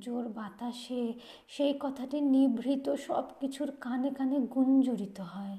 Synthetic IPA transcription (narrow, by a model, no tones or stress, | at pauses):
d͡ʑoɾbat̪aʃe | ʃejkɔt̪ʰaʈinibʱɾit̪oʃɔ̰bkit͡ɕʰuɾkanekaneɡund͡ʑoɾit̪oɦɔe